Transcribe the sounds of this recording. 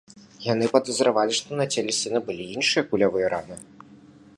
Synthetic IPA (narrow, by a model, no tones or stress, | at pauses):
janɨpɐd̪ɐzɾavalʲiʂt̪ɔnɐt͡sʲɛlʲɛsʲinɐbɨlʲiinʂɨjɐkulʲavɨjɐɾanɨ